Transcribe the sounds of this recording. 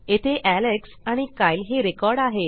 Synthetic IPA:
et̪ʰeʔæleksaɽ̃ikajlɦeɾekɔɾɽaɦe

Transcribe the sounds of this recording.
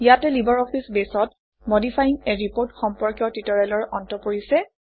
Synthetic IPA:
ijatɛlibɔɹɔpʰisbesɔt | modipʰajiŋɛɹipoɹtxɔmpɔɹkjɔtitɔɹalɔɹɔntɔpoɹisɛ

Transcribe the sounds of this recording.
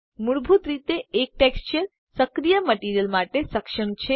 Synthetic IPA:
muɽbʱut̪ɾit̪eek̚ʈekst͡ʃəɾ | səkɾijəməʈiːɾijəlmaʈesɐkʂəɳt͡ʃʰe

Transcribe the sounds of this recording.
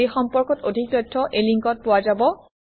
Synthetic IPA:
exɔmpɔɹkɔtodʱik̚tɔjdʰːɔʔeliŋkɔt̚pʊwazabɔ

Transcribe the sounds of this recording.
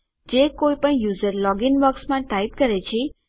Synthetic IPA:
d͡ʒekoipəɳjuzəɾlɔɡinʋəksmãʈait̪kəɾet͡ʃʰe

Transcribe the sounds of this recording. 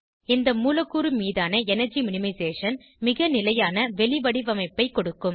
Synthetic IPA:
ɪnd̪ɐmuːlɐkːuːɾɯmiːðaːnɐɛnɐɾd͡ʒimʊnɪmɐɪseːʂɐn | mɪɣɐnɪlɐjaːnɐʋɛɭɪʋɐɽiʋɐmɐɪpːɐɪkɔɽɯkːɯm

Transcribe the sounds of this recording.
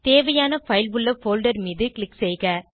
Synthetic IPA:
t̪eːʋɐjaːnɐfɐɪlʋɯɭːɐfoːlɖɐɾmiːðɯkɭɪksɛɪɣɐ

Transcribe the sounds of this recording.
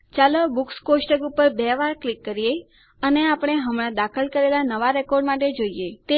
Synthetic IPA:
t͡ʃaləbukskosʈəɡupəɾbɛʋaɾklikːəɾije | əneapɽ̃eɦəmɽ̃ãd̪akʰəlkəɾelanəʋaɾɛkɔɾɖmaʈ̬ed͡ʒoiet̪e

